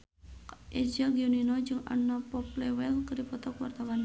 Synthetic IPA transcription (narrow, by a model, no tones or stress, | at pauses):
ʔɛd͡ʒaɡiuninɔd͡ʒɨŋa̰napɔp̚lɛwɛlkɨrdipɔt̪ɔkwart̪awan